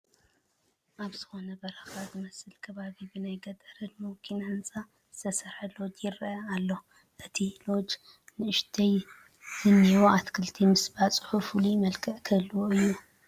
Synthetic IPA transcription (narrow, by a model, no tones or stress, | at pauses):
ʔaβz̥ɨxo̞nɐbɐɾɐxazɨmɐsɨlkʰɐβaβibɨnajɡɐt̪ʼɐɾɐt̪mokʰinaɨnt͡sʼa | zɨ̥t̪ʰɐsɐɾħɐlo̞d͡ʒjɪɾɐɐalːo̞ | ʔɨt̪ʰilo̞d͡ʒ | nɨʔɨʃt̪ʰɐj | z̥ɨnːiwoat̪kʰɨlt̪ʰimɨsbat͡sʼɨ̥ħufulujmɐlkʰɐʔkʰɐlːuwoɨjːu